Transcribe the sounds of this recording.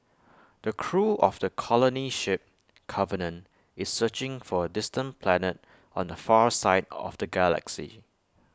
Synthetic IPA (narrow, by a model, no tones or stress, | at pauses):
d̥əkʰɹuʔɔfdəkʰɔləniʃɪp̚ | kʰʌvənə̃n | ɪsːɜt͡ʃɪ̃ŋfɔədɪstə̃npʰlɛnət̚ | ɔ̰̃ndəfasaɪdɔ̰fd̥əɡɛlə̰ksḭ